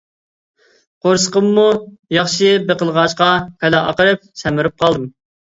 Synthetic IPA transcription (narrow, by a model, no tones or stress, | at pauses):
qʰoɾsə̥qəmːujɑχʃɪbeqəlˠʁɑʃqɑpʰɛlɛʔɑ̰qəɾɨp̚sɛmɪɾɪp̚qʰɑlˠd̪ɨm